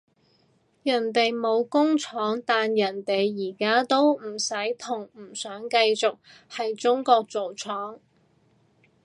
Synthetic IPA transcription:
jɐ˨˩nt̪e˨jmo˨˧wkʊ˥ŋt͡ʃʰɔː˨˥ŋt̪aː˨njɐ˨˩nt̪e˨jːiː˨˩kaː˥t̪o˥wm̩˨˩sɐ˨˥jt̪ʰʊ˨˩ŋm̩˨˩sœː˨˥ŋkɐ˧jt͡sʊ˨k̚ | hɐ˨jt͡sʊ˥ŋkɔː˧k̚t͡so˨wt͡sʰɔː˨˥ŋ

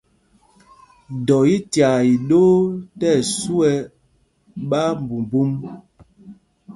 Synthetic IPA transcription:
dɔ˨ji˦tja˨i˨ɗoː˦tɛ˦˨su˦ɛ˦ | ɓa˦m˨bu˨m˨bu˦m

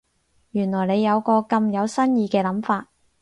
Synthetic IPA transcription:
jyː˨˩nlɔː˨˩jne˨˧jːɐ˨˧wkɔː˧kɐ˧mjɐ˨˧wsɐ˥njiː˧kɛː˧lɐ˨˥mfaː˧t̚

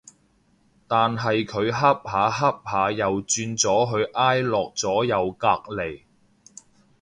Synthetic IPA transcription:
t̪aː˨nɦɐ˨jkʰɵ˨˧ɥɦɐ˥p̚haː˨ɦɐ˥p̚haː˨˧jɐ˨wt͡ʃyː˧nt͡sɔː˨˥ɦɵ˨˧ɥʔaː˥jlɔː˨k̚t͡sɔː˨˥jɐ˨˧wkaː˧k̚le˨˩j

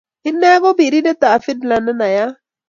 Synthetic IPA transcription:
hɪ˦nːɛ˦ɡɔ˦bi˨ɾi˦dɛ˦t̪a˨fɪ˦dla˨nə˦na˨ja˦

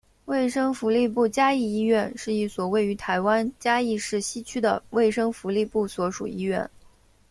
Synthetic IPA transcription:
we˥˩ɪʂɤ˥ŋfu˧˥li˥˧p̬u˥˩t͡ɕja˥i˥˧i˥ɥɛ˥˧nʂɻ̩˥˧i˥˩swɔ˨˩we˥˩ɪy˧˥t̪ʰa˧˥ɪwa˥nt͡ɕja˥i˥˧ʂɻ̩˥˩ɕi˥˩t͡ɕʰy˥d̪ə̰˨we˥˩ɪʂɤ˥ŋfu˧˥li˥˧pu˥˩swɔ˧˥ʂṵ˨˩i˥ɥɛ̰˥˩n

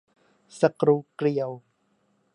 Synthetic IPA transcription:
sa˧kɾuː˧kɾi˨˩əw

